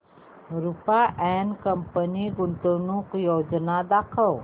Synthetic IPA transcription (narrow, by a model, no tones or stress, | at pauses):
ɾupaʔɛnkəmpəniɡunt̪ənukjod͡ʑnad̪akʰəw